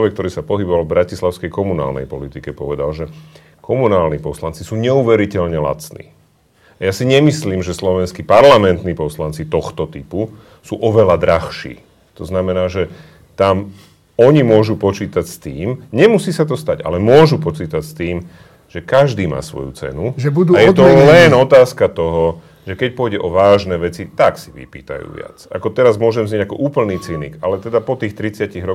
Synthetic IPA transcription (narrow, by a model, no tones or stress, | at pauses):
ʋɛk̚t̪ɔɾiːsapɔɦibɔʋalvbɾacislaʊskɛjkɔmuna̰ːlnɛ̰jpɔlit̪ikɛpɔʋɛd̪alʒɛ | kʰɔmunaːlnipɔslant͡sisuːɲɛuːʋɛɾicɛʎɲɛla̰t͡snḭː | ajasiɲɛmisliːmʒɛslɔʋɛnskipaɾlamɛnt̪niːpɔslant͡sit̪ɔxt̪ɔt̪ipu | suːʔɔʋɛlad̪ɾaxʃḭː | t̪ɔznamɛnaːʒɛ | t̪am | ɔɲimʊɔʒupɔt͡ʃiːt̪acst̪iːmɲɛmusiːsat̪ɔst̪aɟa̰lɛmʊɔʒupɔt͡siːt̪acst̪iːm | ʒ̥ɛkaʒd̪iːma̰ːsʋɔ̰jṵt͡sɛ̰nuʒɛbud̪ajɛt̪ɔlɛnɔt̪aːskat̪ɔɦɔ | ʒ̥ɛkɛc̚pʊɔjɟɛʔɔʋaːʒnɛːʋɛt͡sit̪aksiʋḭpḭːt̪a̰jṵːʋɪa̰t͡sa̰kɔt̪ɛɾazmʊɔʒɛmzɲɛɟakɔʔuːpl̩niːt͡sinḭkalɛt̪ɛd̪apɔt̪iːxt̪ɾit͡sɪaciɣɾɔ